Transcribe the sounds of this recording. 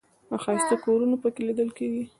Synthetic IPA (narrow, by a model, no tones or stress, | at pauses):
axɑjst̪əkoɾunopəkelid̪əlkeɡi